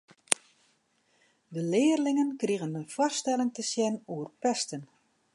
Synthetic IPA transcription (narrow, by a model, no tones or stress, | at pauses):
dəlɪːərlɪŋənkriɣənənfɔstɛlˠɪŋtəsjɛnuərpɛstən